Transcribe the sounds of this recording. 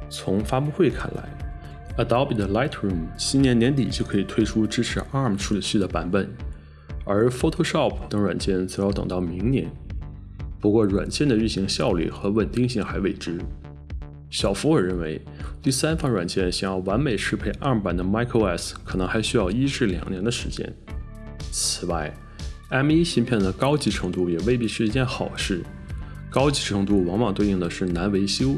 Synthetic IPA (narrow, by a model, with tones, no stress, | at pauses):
t͡sʰʊ˧˥ŋfa˥pu˥˧xwe˥˩ɪkʰa̰˥˩nla̰˧˥ɪ | ə˩d̪ɑ˧˥ʊpi˨˩d̪ə˩la˥ɪt̪ʰɹu˥˩mɕi˥njɛ˧˥nnjɛ˧˥nt̪̬i˨˩t͡ɕjo˥˩kʰɤ˧˥i˨˩t̪ʰwe˥ɪʈ͡ʂʰu˥ʈ͡ʂɻ̩˥ʈ͡ʂʰɻ̩˨˧˥ʔa˥˩m˨ʈ͡ʂʰu˥˩ɕi˥˩d̪ə˩pa˧˥npə˨˩˦n | ə̰˞˧˥fo˥ʊtʰo˥ʊʂɑ˥˩pʰt̪ɤ˧˥ŋwa̰˨˩nt͡ɕjɛ˥˩nt͡sɹ̩˧˥jo˧˥t̪ɤ̰˨˩ŋt̪ɑ˥˩ʊmi˧˥ŋnjɛ̰˧˥n | pu˧˥kwɔ˥˩ɻwa̰˨˩nt͡ɕjɛ˥˩nd̪ə˩ɻ̩˥˩ɕi˧˥ŋɕjɑ˥˧ʊly̰˥˩xɤ˧˥wə˨˩nt̪i˥˧ŋɕi˥˩ŋxa˧˥ɪwe˥˩ɪʈ͡ʂɻ̩˥ | ɕjɑ˨˩ʊfu˧˥ə˞˨˩ɻə˥˩nwe˧˥ɪ | t̪i˥˩sa˥nfɑ˧˥ŋɻwa̰˨˩nt͡ɕjɛ˥˧˩nɕjɑ˨˩ŋjɑ˥˩wa˧˥nme˨˩ɪʈ͡ʂʰɻ̩˥pʰe˥˩ɪʔa˥˩pa˨˩nd̪ə˦ma˥ɪkʰo˥˧ɛ˥˩skʰɤ˨˩nɤ˧˥ŋxa˧˥ɪɕy˥jɑ˥˩ʊi˥ʈ͡ʂɻ̩˥˩ljɑ̰˨˩ŋnjɛ˧˥nd̪ə˧ʂɻ̩˧˥t͡ɕjɛ̰˥n | t͡s̩ʰ˨˩wa̰˥˩ɪ | a˥mi˥ɕi˥npʰjɛ˥˩nd̪ə˩kɑ˥ʊt͡ɕi˧˥ʈ͡ʂʰɤ˧˥ŋt̪u˥˩jɛ˨˩we˥˧ɪpi˥˩ʂɻ̩˥˧t͡ɕjɛ˥˩nxɑ˨˩ʊʂɻ̩˥˩ | kɑ˥ʊt͡ɕi˧˥ʈ͡ʂʰɤ˧˥ŋt̪u˥˩wɑ˧˥ŋwɑ˨˩ŋt̪we˥˧ɪi˥˩ŋd̪ə˩ʂɻ̩˥˩na˧˥nwe˧˥ɪɕjo˥ʊ